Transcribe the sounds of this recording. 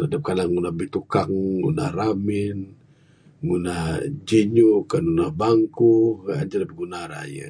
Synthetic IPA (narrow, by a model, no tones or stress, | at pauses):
adap̚kalaŋŋunahbit̪ukaŋːṵna̰hramin | ŋunahd͡ʒiɲukanunahbaŋkua̰d͡ʒalabiɡunaɾa̰jə̰